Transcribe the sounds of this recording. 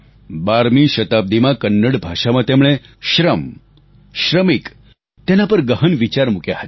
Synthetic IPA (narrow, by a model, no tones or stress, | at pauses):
baɾmiʃət̪ab̚d̪ʱimãkənːəɽbʱaʂamãt̪emɭ̃e | ɕɾəm | ʃɾəmik | t̪enapəɾɡəɦənʋit͡ɕaɾmukjaɦət̪